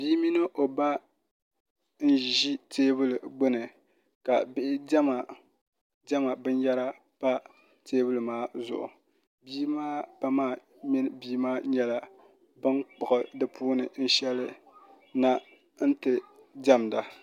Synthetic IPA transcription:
biː˦mi˦nɨ˦ʔo˨ba˦ | n̩˦˨ʒi˦tʰeː˦bɨ˦lɨ˨ɡ͡bɨ˦nɨ˨ | ka˨bɪ˦ʔɪ˦ma˨ | dɛ˦ma˨bɨ˦njɛ˦ɾa˦ | pa˦ | tʰeː˦bɨ˦lɨ˨maː˦zʊ̰˨ʔʊ̰˨ | bi˦maː˦pa˦maː˦˨ | mi˦n˦biː˦maː˦ɲɛ˦la˨ | bɨ˦nk͡pʊ˨ʔɨ˨dɨ˦pʰuː˦nɨ˨n̩˦ʃɛ˦lɨ˦ | na˦ | n̩˦tɨ˨ | dɛ˦mda˨

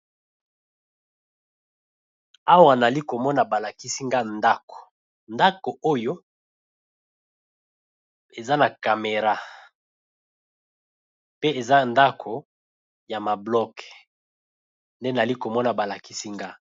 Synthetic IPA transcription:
a˦wa˨na˨li˦ko˨mɔ˦na˨ba˨la˨ki˦si˦ŋɡa˦nda˦ko̥˨ | nda˦ko˨o˦jo˦ | e˨za˦na˨ka˨me˨ʁa˦ | pe˦e˨za˦nda˦kʰo˨ | ja˨ma˨blɔ˦k | nde˦na˨li˦ko˨mɔ˦na˨ba˨la˨ki˦si˦ŋɡa˦

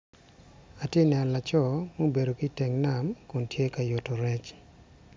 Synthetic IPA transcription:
a˨tje˦nja˨la˨t͡ʃɔ˦mo˦be˨do˨ki˦tɛ˨ŋna˨mkʊ˨ntje˦ka˨jo˨to˨ɾɛ˦t͡ʃ

